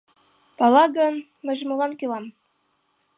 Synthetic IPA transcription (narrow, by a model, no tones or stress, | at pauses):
pɑlˠɑɡɤ̆n | mə̆ʑmɤlˠɑnkylɑm